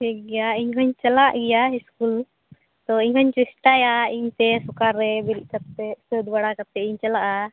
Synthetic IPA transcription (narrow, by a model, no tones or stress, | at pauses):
hɛɡɛjaiɲɦɔɲt͡ʃɛlaʔɡɛjaiskul | t̪ɔiɲɦɔɲt͡ʃɛsʈajaiɲt̪ɛsɔkaɾːɛbɛɾiʔkat̪̚ɛsəd̪baɽakap̚t̪ɛiɲt͡ʃalaʔa